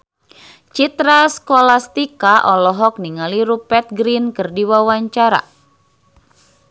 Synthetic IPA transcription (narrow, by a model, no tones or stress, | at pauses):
t͡ʃit̪ɾaskolast̪ikaʔɔlɔɦɔk̚niŋaliɾupɛt̪̚ɡɾinkɨrdiwawaɲt͡ʃaɾa̰